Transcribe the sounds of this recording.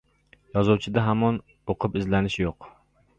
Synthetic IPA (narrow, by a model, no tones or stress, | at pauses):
jɒzuwt͡ʃʰɪd̪aɦamɒn | oqʰɨpɪzlanɪʃjoq